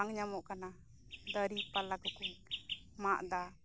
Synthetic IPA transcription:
aŋɲamɔʔkana | d̪əɾipalaɡɔkunmaʔd̪a

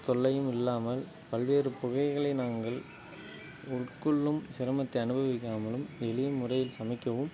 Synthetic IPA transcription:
t̪ɔɭːɐjɯmɪlːaːmɐl | pɐlʋeːrɯpʊɣɐɪɣɐɭɐɪnaːŋɡɐɭ | ʊɭkɯɭːɯmsɪɾɐmɐt̪ːɐɪɐnɯbʱɐʋɪkːaːmɐlɯmɛɭɪjɐmʊrɐjɪlsɐmɪkːɐʋɯm

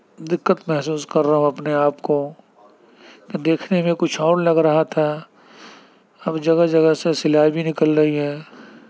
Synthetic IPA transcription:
d̪ɪkːət̪mɛɦsuːskɐɾːaɦũɐpneaːpko | ked̪eːkʰnemẽkʊt͡ʃʰɔːɾlɐɡɾɐɦat̪ʰa | ɐbd͡ʒɐɡəd͡ʒɐɡəsesɪlaːbʱinɪkəlɾɐɦiɦɛː

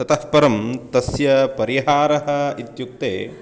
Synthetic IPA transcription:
sɐt̪ɐspɐɾɐmt̪ɐsjɐpɐɾiɦaːɾɐɦɐ̆it̪juk̚t̪eː

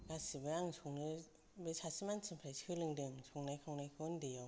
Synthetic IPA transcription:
ɡasibɯɾaŋsʰɔŋnɯ | bɯsʰasimansʰimpʰɾajsɯlɯŋdɯŋsʰɔŋnajkʰawnajkʰɯndejaw

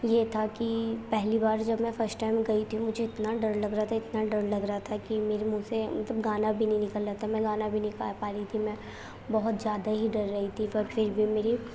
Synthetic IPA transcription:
jet̪ʰakipɛɦlibaːɾd͡ʒɐbmɛ̃fɐɾsʈʈaːɪmɡɐit̪ʰiũmʊd͡ʒʱeɪt̪naɖɐɾlɐɡɾaɦat̪ʰaɪt̪naɖɐɾlɐɡɾɐɦat̪ʰakimeːɾemũːsemɐt̪ləbɡaːnabʱinɐ̃ĩnɪkəlːat̪ʰamɛ̃ɡaːnabʱinɐĩka̰ːpaːɾit̪ʰimɛ̃ː | bɐɦʊt̪zjaːd̪aɦiɖɐɾːɐɦit̪ʰiɪɾfʰɪɾbʱimeːɾi

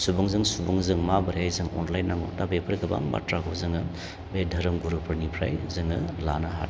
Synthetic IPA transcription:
subuŋzɯŋsubuŋzɯŋmabɐɾjajzɯŋɔ̰nlajnːaŋo̰tabepʰɯɾɡɐba̰ŋma̰tɾaɡʰozɯŋɯ | bedʱɐɾɯmɡuɾupʰɯɾnipʰɾa̰jzɯŋɯlanaɦa̰t

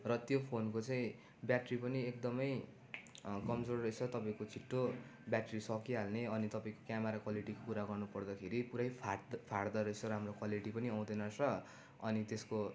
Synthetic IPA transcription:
rʌt̪jopʰonkot͡saĩ | bjaʈripʌniek̚d̪ʌmʌj | kʌmd͡zorrʌjt͡sʰʌt̪ʌpãĩkot͡sʰiʈːobjaʈrisʌkiɦalneʌnit̪ʌpãĩko̥kjamaɾakwaliʈikopuɾaɡʌrnupʌrd̪ʌkʰeɾipuɾajpʰpʰaɽd̪ʌɾʌjt͡sʰʌɾamrokwaliʈipʌniʌw̃d̪ʌnʌt͡sʰʌ | ʌnit̪esko

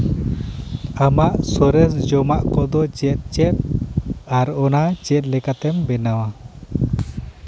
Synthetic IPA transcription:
amaʔsɔɾɛs̬d͡ʒɔmaʔkɔd̪ɔt͡ʃɛt̪̚ˀt͡ʃɛt̪̚aɾɔnat͡ʃɛt̪̚ˀlɛkat̪ɛmbɛnawa

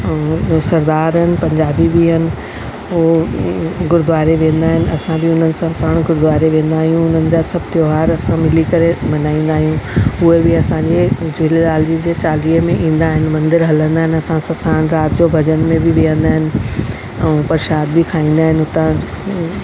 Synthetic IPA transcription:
sɐɾd̪aːɾənɪ̆pɐ̃ɲd͡ʑaːbibiɦɐnɪ̆ | o | ɡʊɾd̪ʊʋaːɾeʋẽːnd̪aːɦɪnɪ̆ʔɐsãbɪʊn̤ənɪ̆sãsaːɽ̃ɡʊɾd̪ʋaːɾeʋẽːn̆d̪aːɦijũʊn̤ənɪ̆d͡ʑaːsɐbʱt̪joːɦaːɾɐsãmɪlikɐɾemɐnaːĩːn̆d̪aːɦijũʊɦebɪɐsãɲd͡ʑed͡ʑʊlelaːld͡ʑid͡ʑeːt͡ɕaːliːəmẽʔĩːn̆d̪aːɦɪnɪ̆mɐ̃nd̪ɪɾɦɐlə̃nd̪aːɦɪnɐsãsãsaːɽ̃ɾaːt̪d͡ʑobʱɐd͡ʑənmẽbʱɪʋiə̃nd̪aːɦɪnɪ̆ | ɛ̃ːpɐɾʃaːd̪bɪkʰaːĩːn̆d̪aːɦɪnɦʊt̪ã

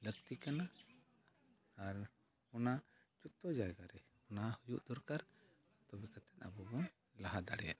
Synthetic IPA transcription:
ləɡt̪ikana | ɾ | ɔna | d͡ʒut̪ɔd͡ʒaɛɡaɾɛ | ɔnahujuʔd̪ɔɾkaɾ | t̪ɔbɛkat̪ɛ̥t̪̚a̰bɔbɔ | laɦad̪aɽɛja̰ʔ

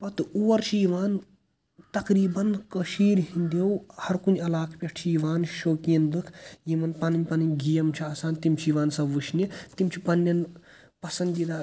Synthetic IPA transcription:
pɐt̪uʋɐɾt͡ʃʰiiʋaːn | t̪ɐkɾiːbɐnkɐʃiːɾɦind̪ewhɐɾkunɐlaːkʰpʲeʈʰt͡ʃʰiiʋaːnʃoːkiɐnd̪ɨkʰjimɐnpɐnɨɲʲpɐnɨɲʲɡijɐmt͡ʃʰiaːsaːnt̪imt͡ʃʰiiʋaːnsɐʋuʃʰnit̪imt͡ʃʰipɐnːɐn | pɐsɐnd̪id̪aː

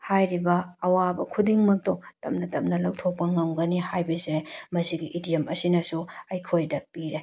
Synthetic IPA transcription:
hajɾibɐːwabɐkʰudiŋmɐk̚towtɐ̰mnɐtɐmnɐlɐwtʰok̚pːɐŋɐŋɡɐnihajbeziɾemɐsiɡiʔidijemɐsinɐsuɐjkʰojdɐpiɾe

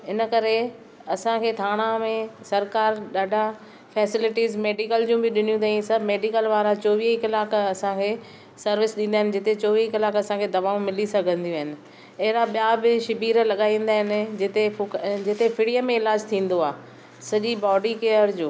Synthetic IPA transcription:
ɪnəkɐɾe | ɐsãkʰeːt̪ʰaːɽ̃amẽsɐɾkaːɾɗaːɖʱa | fɛːsɪlɪʈiːzmeːɖikəld͡ʑũbɪɗɪn̤ijũt̪aĩsɐbʱmeːɖɪkəlʋaːɾat͡ɕoːʋiːɦkɪlaːkɐsãkʰeː | sɐɾʋɪsɗĩːn̆d̪aːɦɪnɪ̆d͡ʑɪt̪et͡ɕoːʋikɪlaːkɐsãkʰed̪ɐʋaːũmɪlisɐɡʱə̃nd̪ijũɦɪnɪ̆ | ɐɦɾaɓijabɪʃɪbʱiːɾlɐɠaːĩːn̆d̪aːɦɪnɪ̆d͡ʑɪt̪ed͡ʑɪt̪efɪɽijəmẽɪlaːd͡ʑt̪ʰĩːn̆d̪oaː | sɐʄibɔːɖikeːəɾd͡ʑoː

